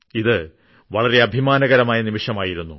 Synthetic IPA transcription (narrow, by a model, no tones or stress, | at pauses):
iðɨ | ʋɐɭɐre̞ɐbʱimaːnɐɣɐɾɐmaːjɐnimiʂɐmaːjiɾunːu